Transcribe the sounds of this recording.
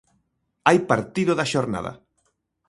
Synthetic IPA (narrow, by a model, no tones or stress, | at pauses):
ajpaɾt̪iðʊðaʃoɾna̰ðɐ̰